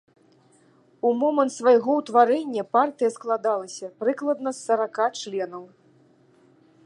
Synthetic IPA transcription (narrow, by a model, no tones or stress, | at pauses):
umɔmɐnt̪svajɣɔwt̪vaɾɛnʲːɐpart̪ɨjɐsklˠad̪alˠɐsʲɐpɾɨklˠɐd̪nɐsːɐɾakat͡ʂlʲɛnɐw